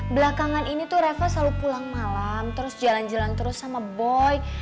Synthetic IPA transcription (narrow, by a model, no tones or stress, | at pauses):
bəlakaŋaninit̪ʊɾafasalupulaŋmalamt̪əɾʊsd͡ʒaland͡ʒalant̪əɾʊsːamabɔj